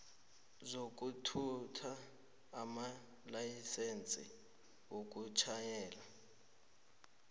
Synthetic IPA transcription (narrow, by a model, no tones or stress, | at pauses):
zok̬ʼutʰutʰaː | ma | lajisent͡sʼḭ | wok̬ʼut͡ʃʰajɛːla